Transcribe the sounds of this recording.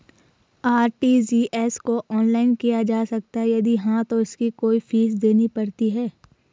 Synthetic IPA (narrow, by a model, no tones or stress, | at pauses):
aːɾʈid͡ʒiːʔɛskoʔɔːnlaːɪnkijad͡ʒaːsɐk̚t̪aɦɛjɐd̪iɦãt̪oɪskikoːifʰiːsd̪eːnipɐɽt̪iɦɛː